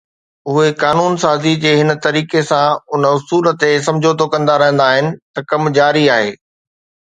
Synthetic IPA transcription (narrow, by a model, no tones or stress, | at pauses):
ʊɦekaːnuːnsaːzid͡ʑeːɦɪnt̪ɐɾiːkesãʊnəʊsuːlə̆t̪es̬ɐ̃md͡ʑʱot̪okɐ̃nd̪aɾɐɦə̃nd̪aːɦɪnɪ̆t̪ɐkɐmd͡ʑaːɾiaːɦeː